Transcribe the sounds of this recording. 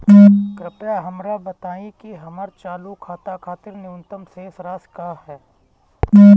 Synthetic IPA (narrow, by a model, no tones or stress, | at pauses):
kɾɪpjaɦɐmɾabət̪aːĩkiɦɐməɾt͡ʃaːlukʰaːt̪akʰaːt̪ɪɾnɪʊnt̪əmseːsɾaːskaːɦɛː